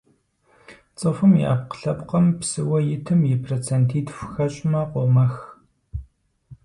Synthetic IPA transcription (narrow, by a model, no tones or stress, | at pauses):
t͡sʼɨfɨmḭʔa̰ːp̚qə̥ɬɐpʼqɐmpsɨwɐjɪtʰɨmjɪpʰrot͡sʰentʰiːtʰfʷxɐɕʼmɐqʷomɐx